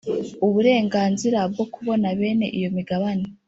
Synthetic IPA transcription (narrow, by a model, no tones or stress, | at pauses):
uβuɾe̞ːŋɡaːnziɾab̚ɡo̞kuβo̞naβe̞ːne̞̰ʔijo̞miɡaβane